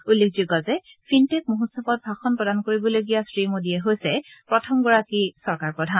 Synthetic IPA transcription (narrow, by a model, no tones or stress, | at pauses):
ulːekzuɡɔzɛ | fʰintek̚muɦusɔpɔt̚bʱaxɔnpɹɔdankoɹibɔloɡijasɹimodiɛɦojsɛpɹɔtʰɔmɡɔɹakisɔɹkaɹpɹɔdʱan